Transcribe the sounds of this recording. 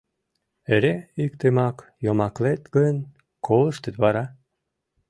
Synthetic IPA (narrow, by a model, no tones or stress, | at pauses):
eɾʲeikt̪emɑkjomɑklet̪ɡən | kʰolˠɤʃt̪ət̪βɑɾɑ